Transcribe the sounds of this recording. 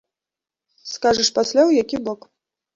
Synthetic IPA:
skaʐɐʂpasʲlʲawjakʲibɔk

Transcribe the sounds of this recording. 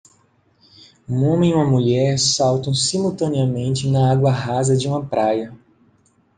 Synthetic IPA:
ũõmẽiũmɐmuʎɛɾsawt̪ɐ̃w̃simuwt̪ɐ̃niɐmẽnt͡ʃɪnɐaɡwɐɦazɐd͡ʒɪũmɐpɾʔajɐ

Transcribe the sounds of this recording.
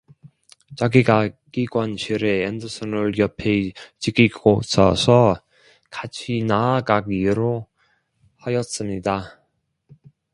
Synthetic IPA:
t͡ɕaɡiɡaɡiɡwanɕʰiɾe̞endɯsʰɯnɯɾjʌpʰet͡ɕiɡiɡosʰʌ̰sʰʌ | kat͡ɕʰinaːɡaɡiɾo | hajʌs͈ɯmɲida

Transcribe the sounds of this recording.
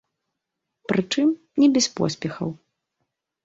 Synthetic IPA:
pɾɨt͡ʂɨm | nʲɛbʲɛspɔ̰sʲpʲɛxɐ̰w

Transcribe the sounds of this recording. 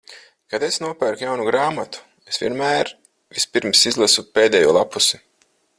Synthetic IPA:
kad̪esnuɔpæɾkjawnuɡɾaːmat̪u̥ | esvḭɛnmæːɾ | vispʲiɾmsizlˠasupeːd̪ɛjuɔlˠapusi

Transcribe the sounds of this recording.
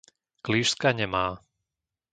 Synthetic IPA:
kliːʃskaɲɛmaː

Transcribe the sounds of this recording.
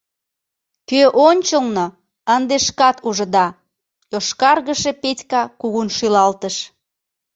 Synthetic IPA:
køʔonʲt͡ɕəlno | ənd̪eʃkɑt̪uʒə̆d̪ɑ | joʃkɑrɣəʃepet̪ʲkɑkuɣunʃylɑlt̪əʃ

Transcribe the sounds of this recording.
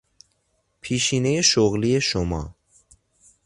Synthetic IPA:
pʰiʃinejeʃoɣlijeʃomɑ̰ː

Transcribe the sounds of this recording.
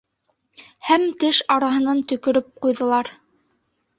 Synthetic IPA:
hæmt̪ɘʃɑɾɑɦɤ̆nɑnt̪ɵ̆kɵ̆ɾɵp̚qujðɤ̆lˠɑɾ

